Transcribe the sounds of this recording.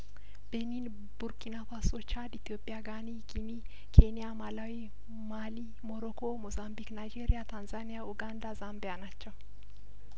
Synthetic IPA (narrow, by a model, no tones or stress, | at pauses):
b̥ɛniːn | bʊɾkɪnafasɔt͡ʃaːd̪ɪt̪jo̞ːpʼːɪjaɡaːniɡɪmi | kʰenɪjamɐlɐwi | maːliː | mɔɾɔkoːmɔzambiknajd͡ʒeːɾɪjat̪ɐnzaːnɪjaʊɡand̪azambɪjɐnɐt͡ʃːɐ